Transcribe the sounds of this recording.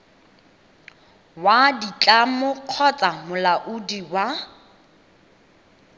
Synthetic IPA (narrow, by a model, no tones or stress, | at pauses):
wadit͡ɬʼamʊq͡χʰɔt͡sʼamʊlaʔʊdiwa